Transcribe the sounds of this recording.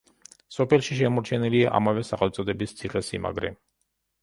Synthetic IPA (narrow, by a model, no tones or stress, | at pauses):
sɔpʰɛlˠʃiʃ̬ɛmɔɾt͡ʃʰɛniliaʔa̰mavɛsaχɛlˠt̪sʼɔd̪ɛbist̪sʰiχɛsima̰ɡɾɛ̰